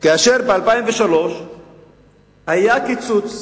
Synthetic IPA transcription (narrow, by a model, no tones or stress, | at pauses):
kaaʃeʁbealpaimveʃalo̞ʃ | hajakit͡sut͡s